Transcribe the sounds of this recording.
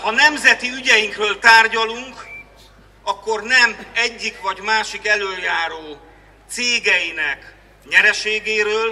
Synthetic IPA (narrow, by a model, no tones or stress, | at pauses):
hɒnɛmzɛt̪iyɟɛjiŋkrøːlt̪aːrɟɒluŋk | ɒkːo̞rnɛmɛɟːikvɒɟmaːʃikɛløːljaːɾoː | t̪seːɡɛjinɛk | ɲɛɾɛʃeːɡeːɾøːl